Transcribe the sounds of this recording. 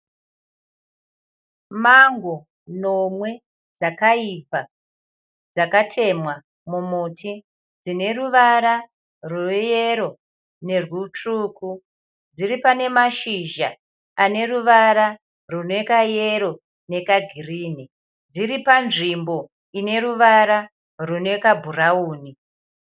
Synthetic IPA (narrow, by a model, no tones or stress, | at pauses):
maŋɡo | no̞mwe̞ | d͡zakaipa | d͡zakatʰe̞mwa | mumuːtʰi | d͡zine̞ruʋaɾa | ruje̞ɾo̞ | ne̞rwut͡ʂuːku | d͡ziɾipane̞maʃiʒaː | ne̞ruʋaɾa | rune̞kaje̞ɾo̞ | ne̞kaɡʱiriːni | d͡ziripanʐimbo̞ | ine̞ɾuʋaɾa | rune̞kabʱurauːni